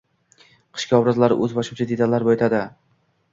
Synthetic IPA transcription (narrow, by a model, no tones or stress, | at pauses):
qʰɨ̥ʃkʲaɒwɾazlaɾɪ̰ʔɵzbɒʃuwt͡ʃʰad̪ed̪alaɾbɒjet̪ʰad̪ɪ